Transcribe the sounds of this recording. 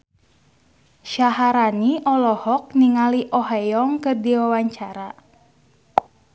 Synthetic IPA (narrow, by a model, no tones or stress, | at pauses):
ʃaɦaɾaniʔɔlɔhɔk̚niŋaliʔɔɦajɔŋkɨrdiwawaɲt͡ʃaɾa